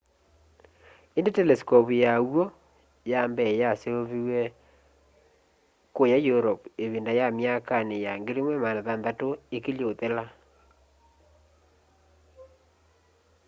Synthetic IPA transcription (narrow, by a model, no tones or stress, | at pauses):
endetɛlɛskɔpujawɔ | jambɛjaseoβiwɛ | kojajoɾɔpeβindajamjakanejaŋɡeɾimwɛmanaðanðatoekeloðela